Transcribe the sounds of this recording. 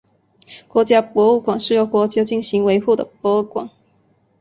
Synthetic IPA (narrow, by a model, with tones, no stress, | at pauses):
kwɔ˧˥t͡ɕja˥pwɔ˧˥u˥˩kwa˨˩ŋʂɻ̩˥˩˨jo˥˨˩ʊkwɔ˧˥t͡ɕjo˥˧t͡ɕi˥˩ŋɕi˧˦ŋwe˧˥ɪxu˥˨˩d̪ə̰˩p̚wɔ˧˥˩kwa̰˨˩˦ŋ